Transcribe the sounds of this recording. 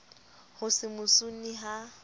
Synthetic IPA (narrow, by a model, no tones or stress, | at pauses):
hʊsɪmʊsuniɦa